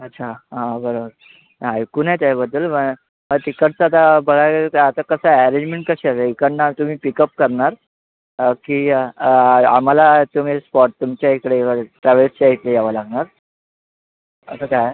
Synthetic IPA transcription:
ətːɕʰaɦãbəɾobəɾ | ajkuːnajt̪abəd̪ːəlmə | ət̪ikəʈ̚t͡saːt̪̬abəɡʱakt̪at̪akəsaæɾẽɲd͡ʑmẽɳʈ̚kəɕiaseikəɽnat̪um̤iːpikəp̚kəɾɳaɾ | kiː | a̰m̤alat̪um̤ispɔʈ̚t̪umt͡ɕjaekəɽeəeʈɾaʋəlst͡ɕaɦit̪ejaʋəlaɡɳaɾ | ə̰səkaje

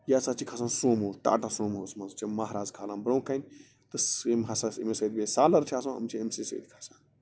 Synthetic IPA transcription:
jaːsat͡ʃʰikʰɐsãːnsoːmɦoːsʈa̰ːʈasoːmɦoːsmɐnzt͡ʃʰimɐɦɾaːzkʰaːlaːnbɾõːkɐnʲ | t̪ɨsmɦɐsaḭmesɐːd̪besaːlɐɾt͡ʃʰaːsãːɐ̰mt͡ʃʰiemsiːsɐ̰ːd̪kʰḁsaːn

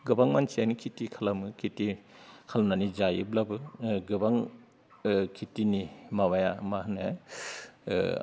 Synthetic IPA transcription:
ɡɯbaŋmansianikʰitikʰalamɯkʰitikʰalmnanizajḭblabɯɡɯbaŋ | kʰitinimabajamahna

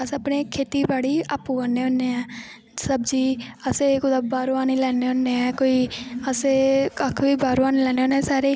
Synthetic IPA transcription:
əsəpneːkʰeːt̪iːbaːɽiːaːpuːəneːonːeːɛː | səbd͡ʒiːəseːkʊd̪abaːɾuaːniːlɛːneːõnːeːɛːkoːiːəseːkəkʰʋiːbaːɾuːaːneːlɛːneːoːneːsaːɾeː

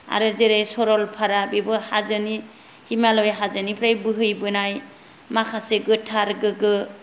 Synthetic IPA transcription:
a̰ɾɯzeɾejsɔɾɔlpʰaɾabibɯhazɯni | himalɔjɦazɯnipʰɾajbɯɦɯjbɯnaj | makʰaseɡɯtʰaɾɡɯɡɯ

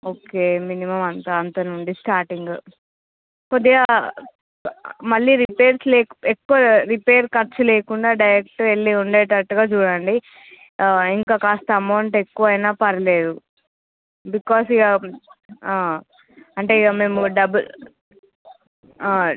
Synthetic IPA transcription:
oːkeːminimɐmɐnt̪ɐːnt̪ɐnuɳɖisʈaːɾʈiŋɡ | kod̪iɡa | mɐɭːiːɾipeːɾsleːkekːuʋɐɾipeːɾkɐɾt͡ʃuleːkuɳɖaːɖɐjɾek̚ʈeɭːiuɳɖeːʈɐʈːuɡaːt͡ʃuːɽɐɳɖi | iŋkaːkaːst̪ɐɐmɐwɳʈe̞kːuʋɐjnaːpɐɾɐle̞ːd̪u | bikɔːsiɡa | aː | ɐɳʈe̞iɡame̞ːmuɖɐbl

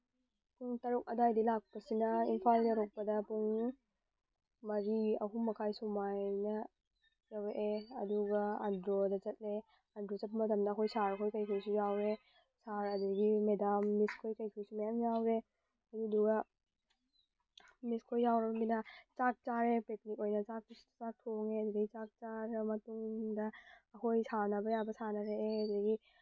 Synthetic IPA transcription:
pʰuŋtɐɾuk̚ɐdajdilak̚pɐsinɐḭnpʰaltɐɾuk̚pɐdɐpuŋ | mɐɾiɐ̰ɦumɐkʰajsumajnɐ | jaweʔeɐduɡɐadɾodɐt͡ʃɐt̚le | andɾozɐt̚mɐtɐmdɐːkʰojsaɾɐkʰojkɐjkʰojsujawɾe | saɾɐduɡimedamːiskʰojkɐjkʰojsumɐjamjawɾe | ɐduduɡɐ | miskʰojjawɾɐbɐminɐt͡ʃak̚t͡ʃaɾepek̚nikojnɐt͡ʃak̚t͡ʃak̚tʰoŋeɐduɡɐɡit͡ʃak̚t͡ʃaɾɐmɐtuŋdɐːkʰojsʰanɐbɐjabɐsʰanɐɾeʔeɐdudɐɡi

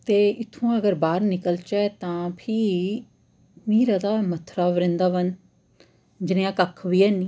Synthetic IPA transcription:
t̪eːɪt̪ʰːũːəɡəɾbaːɾnɪkəlt͡ʃɛːt̪ãːpʰiː | miːɾaːd̪aːmət̪ʰːɾaːʋəɾɪ̃nd̪aːʋən | d͡ʒɪneːãːkəkʰːʋiːɛːniː

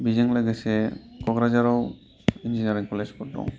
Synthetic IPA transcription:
bid͡ʑiŋleɡet͡ɕʰekɔɡɾad͡ʑaɾaw | ind͡ʑinijaɾiŋkɔled͡ʑkɔɾɖo̰ŋ

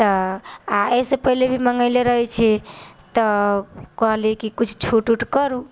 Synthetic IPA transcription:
t̪ɔaesepəɦilebʱiməŋəɪleɾəɦɛt͡ʃʰɛt̪əkəɦlikikut͡ʃʰt͡ʃʰuʈuʈkəɾu

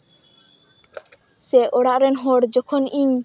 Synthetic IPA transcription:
sɛʔɔɽaʔɾɛnɦɔɽd͡ʒɔkʰɔniɲ

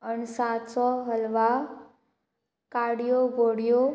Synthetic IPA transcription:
ənsat̪sɔɦəlʋa | kaɽijoɡoɽijo

